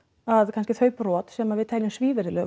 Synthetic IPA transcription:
aðkʰanscɪθœːɥprɔːt̪sɛːmavɪðt̪ʰajlɪnsviːvɛɾɪlœ

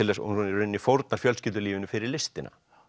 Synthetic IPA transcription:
ɪlɛsṵnunɛɾʏɾɪnːifowɾt̪̚naɾ̥fjœlscɪːt̪ːʏliːvɪnʏfɪɾɪɾlɪst̪ɪna̰

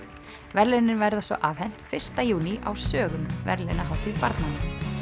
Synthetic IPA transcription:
vɛɾlɛnːɪnvɛɾðasvɔ̰ʔav̥hɛn̥t̪fɪr̥st̪ajuːniʔa̰wsœːɣʏmvɛ̰ɾlɛnaɦawht̪ɪðpa̰ɾt̪nanɪ

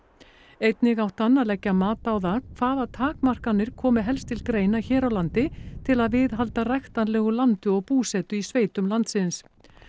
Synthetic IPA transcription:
ejt̪nɪɣawht̪anːalɛcːamaːt̪aːwðaːkkʰvaːðaðt̪ʰaːkmar̥kanːɪɾ̥kʰɔːmɪɦɛlst̪ʰɪlkɾeːjnaçɛːɾawlant̪ɪt̪ʰɪlaðvɪðɦalt̪arajxt̪anlɛːɣʏlant̪ʏɔɣpuːsɛːt̪ʏisveːjt̪ʏmlant̪sɪns

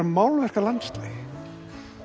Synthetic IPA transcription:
maːwlvɛr̥kalant̪st̪lejɣ

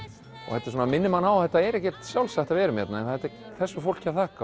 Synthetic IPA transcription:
ɔ̰ɣhɛt̪ːɪ̥suːnamɪnːɪmhanawθɛt̪ːaɛɾɛhcɛt̪sjawlsaht̪avɛːɾʏmjɛ̰t̪naɛnθaɛt̪ | θɛsːʏfowl̥cʰːaθaːka

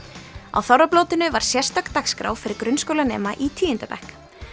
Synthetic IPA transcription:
a̰wθawɾaploːwt̪ɪnʏvaɾ̥sjɛr̥st̪akt̪akskɾa̰wfɪɾɪɾkɾʏnskowlanɛ̰ːmaʔit̪ʰiːɪnt̪apɛ̰hk

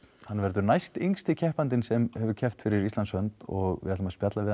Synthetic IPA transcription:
hanːvɛɾðʏɾnajst̪iŋst̪ɪcʰɛhpant̪ɪnsɛmhɛvʏɾcʰɛft̪fɪɾɪɾist̪lanshœnt̪ɔɣɪ̰at̪ːmaspjat̪lavɪ

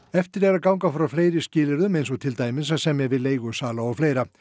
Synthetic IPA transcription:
ɛft̪ɪɾɛɣakawŋkafɾawfleːjɾɪscɪːlɪɾʏmejns̬ɔt̪ʰɪlt̪aːjmɪnsasɛmjɛɣvɪðleːjɣʏsaːlaawfleːjɾa

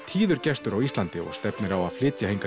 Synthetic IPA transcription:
t̪ʰiːðʏɾcɛst̪ʏɾawist̪lant̪ɪɔ̰ɣst̪ɛpnɪɾawaflɪːt̪jahejŋka

